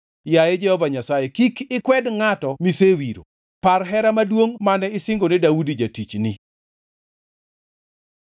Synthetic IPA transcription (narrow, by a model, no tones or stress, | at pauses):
jajɛd͡ʒɛhɔvaɲasajekikɪkwɛdŋatɔmisewiɾo̰ | parɦɛɾamadwoŋmanɛɪsɪŋɡonɪdaudid͡ʒatit͡ʃnɪ